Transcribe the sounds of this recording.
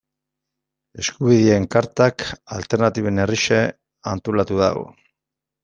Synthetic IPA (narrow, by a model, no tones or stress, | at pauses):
e̞skuβ̞iðie̞ŋkaɾt̪akalt̪e̞ɾnat̪iβeneriʃe | ant̪olat̪uða̰ɣo̰